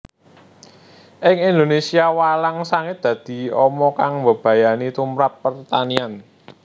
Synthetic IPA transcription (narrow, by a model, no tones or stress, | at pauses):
ʔɪŋind̪onesiawalaŋsaŋɪt̪̚d̪̥ä̤d̪̥i̤ɔmɔkaŋmbə̤b̥a̤janit̪umɾapːərt̪anian